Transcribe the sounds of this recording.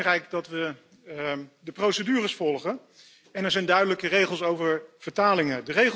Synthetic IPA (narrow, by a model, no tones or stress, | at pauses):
rɛjkdɑtʋə | dəprowsədyːrəsfɔlˠχən | ɛnɛɹzɛjndœɥdələkərejχəlˠsowvəɹv̥əɹtaːlɪŋədəre